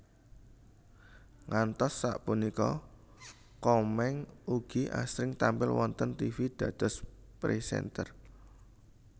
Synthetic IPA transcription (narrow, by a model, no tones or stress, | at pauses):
ŋant̪ɔsːaʔpunikɔ̰ | kɔmɛŋuɡ̥iʔa̰sɾɪŋt̪ampɪlwɔnt̪ənt̪ifid̪̥ä̤d̪̥ɔ̤s | pɾisɛ̰nt̪ər